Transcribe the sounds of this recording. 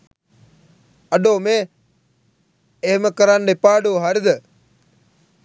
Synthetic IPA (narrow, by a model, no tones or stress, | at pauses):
əɗoːmeː | ɦməkəɾanɖɪpaːɖoːɦɐɾd̪ə